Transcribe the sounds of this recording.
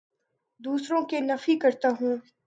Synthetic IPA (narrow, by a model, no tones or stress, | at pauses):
d̪uːsɾõkenɐfikɐɾt̪aɦũː